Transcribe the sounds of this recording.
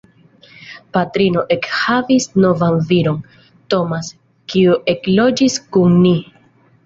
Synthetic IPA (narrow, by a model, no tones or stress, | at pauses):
patɾino̞ʔe̞khavisno̞vanviɾo̞n | to̞mas | kiuʔe̞klo̞d͡ʒiskunni